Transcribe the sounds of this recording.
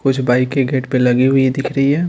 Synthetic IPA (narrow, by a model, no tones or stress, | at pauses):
kʊt͡ʃʰbaːikːeɡʱeːʈpẽlɐɡiɦʊid̪ɪkʰɾəiɦɛː